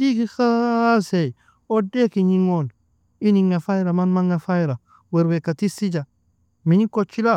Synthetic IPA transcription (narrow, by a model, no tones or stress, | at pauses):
dikixasej | odekiɲiŋol | iniŋafajɾamanmaŋɡafajɾa | weɾwekatisid͡ʒa | miɲikot͡ʃːila